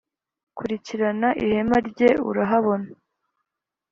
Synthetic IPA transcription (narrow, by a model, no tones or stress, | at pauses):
kuɾiciɾanaʔihe̞maɾɟeṵɾaɦaβo̞na